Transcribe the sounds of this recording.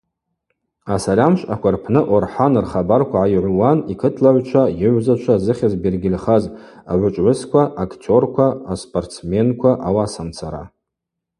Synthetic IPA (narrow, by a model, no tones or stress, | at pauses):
asalʲamʃʼakʷʰarpʰnɨʔorħanɨrχabarkʷʰaʕajʕʷwanikʰɨtʰlaʕʷt͡ʃʷʰajɪʕʷzat͡ʃʷʰazɨχʲazbirɡʲɪlʲχaza̰ʕʷʊt͡ʃʷʼʕʷʊskʷaʔakʰtʰo̞rkʷʰaːspʼortt͡sme̞nkʷʰaʔawasamt͡sʰaɾa̰